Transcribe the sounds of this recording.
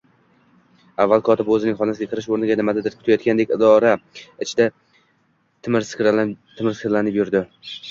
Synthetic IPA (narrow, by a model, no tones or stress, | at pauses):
avːalˠkʰɒt̪ʰɪpɵzɪnɪŋχɒnasɪɡʲakʰɨɾɪʃoɾnɪɡʲanɪmad̪ad̪ɪɾkʲʰʊ̥t̪ʰajɒt̪kʲand̪ekʲɪd̪ɒɾaɪt͡ʃʰɪd̪a | t̪ʰɪmɾskʲt̪ʰɪmɪɾskɪɾlanɪpjʊɾd̪ɪ